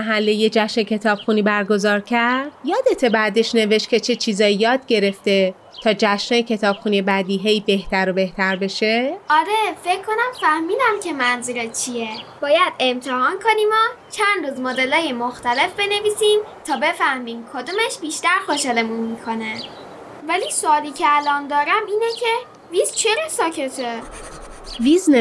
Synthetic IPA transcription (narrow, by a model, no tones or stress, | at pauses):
mæɦælːejed͡ʒæʃnecʰe̞t̪ʰɒːb̥xuniːbæɾɡo̞zɒːɾcʲʰæɾɾd̪̥jɒːd̪e̞t̪ʰe̞bæd̪e̞ʃne̞ve̞ʃt̪kcʰe̞t͡ʃʰe̞t͡ʃʰiːzɒːjijɒːd̪̥̚ɟe̞ɾe̞ft̪e̞ | t̪ʰɒːd͡ʒæʃnejecʰe̞t̪ʰɒːb̥xuniebæd̪iːɦe̞jbe̞ht̪ʰæɾobe̞ht̪ʰæɾbe̞ʃeʔɒɾe̞fe̞cʰkːo̞næmfæhmiːd̪æmcʰe̞mænzuɾet͡ʃʰieb̥ɒːjæd̪e̞mt̪ʰehɒːnkʰoniːmɒt͡ʃʰænd̪ɾuːzmoːd̪e̞lɒːje̞moxt̪æle̞fbe̞ne̞viːsimt̪ʰɒːbe̞fæhmiːmkʰod̪omeʃbiːʃt̪æɾxoʃele̞munmiːkʰo̞ne | vælisoɒːliːcʰeælɒnd̪ɒːɾæmiːnecʰe | vizt͡ʃʰeɾesɒːcʰe̞t̪ʰe | vizn